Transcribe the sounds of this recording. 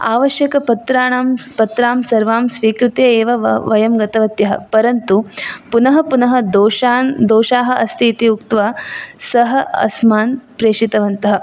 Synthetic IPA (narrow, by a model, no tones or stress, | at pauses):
aːʋɐʃjɐkɐpɐt̪ɾaːɳaːmpɐt̪ɾaːmsɐɾʋaːmsʋiːkɾɪt̪jɐeːʋɐʋɐjɐmɡɐt̪ɐʋɐt̪jɐɦɐ̰pɐɾɐnt̪upunɐɦɐpunɐɦɐ̆d̪oːʃaːnd̪oːʃaːɦɐ̆ʔɐst̪ʰiːt̪iukt̪ʋaːsɐɦɐ̆ɐ̰smaːnpɾeːʂit̪ɐʋɐnt̪ɐɦɐ̆